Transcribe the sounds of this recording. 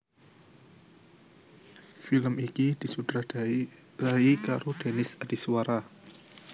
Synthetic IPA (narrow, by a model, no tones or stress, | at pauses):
filəmikid̪̥i̤sud̪ɾa | d̥aikaɾod̪̥enɪsad̥iswaɾa